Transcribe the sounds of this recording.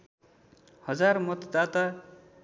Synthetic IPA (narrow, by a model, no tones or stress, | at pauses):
hʌd͡zarmʌt̪d̪at̪a